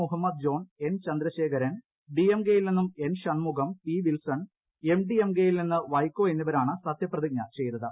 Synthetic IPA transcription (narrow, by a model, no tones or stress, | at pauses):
uɦɐmːɐd̪̚d͡ʑo̞ːɳe̞nt͡ɕɐnd̪ɾɐɕe̞ːkʰɐɾɐn | ɖiemɡe̞ːjilninːume̞nɕɐɳmuɡɐmpiːʋilsɐɳ | e̞mɖiemɡe̞ːjilninːɨʋɐjkːo̞ːe̞nːiʋɐɾaːɳɨsɐt̪ʰjɐprɐðiɡ̚ɲɐt͡ɕe̞jnːɐðɨ